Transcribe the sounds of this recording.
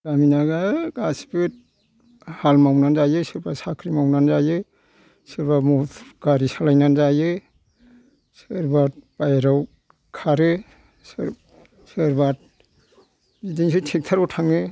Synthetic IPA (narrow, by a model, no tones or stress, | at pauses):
daminaɡaɡasi̥pɯt̚ | halmawnanzajɯsɯɾbasakʰɾimawnanzajɯ | sɯɾbamutʰɡaɾisalajnanzajɯ | sɯɾbat̚b̥ajɾaw | kʰaɾɯ | s | sɯɾbat̚ | zidiŋsɯtʰek̚tʰaɾɔtʰaŋɯ